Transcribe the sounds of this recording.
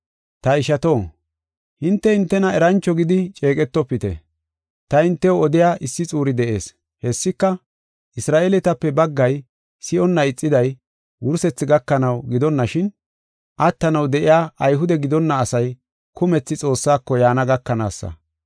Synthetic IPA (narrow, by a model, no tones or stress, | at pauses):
t̪ɐɪʃɐt̪o̞ː | hɪnt̪ːɛhɪnt̪ːɛnɐɛɾɐnt͡ʃːɔɡɪd̪ɪt͡ʃʼe̞ːkʼɛt̪ːɔpːɪt̪ɛ̰ | t̪ɐɪnt̪ːɛwɔɔd̪ɪjaːʔɪsːɪt͡sʼuːɾɪd̪ɛʔe̞̰ːs | hɛsːɪkːɐ | ʔɪsɾaːʔelɛt̪ɐpːɛbɐɡːɐj | sɪɔnːɐɪt͡sʼːɪd̪ɐj | wʊɾsɛt͡sːɪɡɐkːɐnɐwɡɪd̪ɔnːɐʃɪn | ʔɐt̪ːɐnɐwd̪ɛʔɪjaːʔɐjɦʊd̪ɛɡɪd̪ɔnːɐːsɐj | kʊmɛt͡sːɪt͡sʼo̞ːsːaːkːɔjaːnɐɡɐkːɐna̰ːsːɐ̰